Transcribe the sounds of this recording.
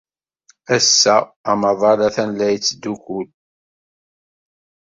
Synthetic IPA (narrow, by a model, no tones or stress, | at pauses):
æsːæːmɑðˤɑɾæθænlːæjt͡sːd̪ːukul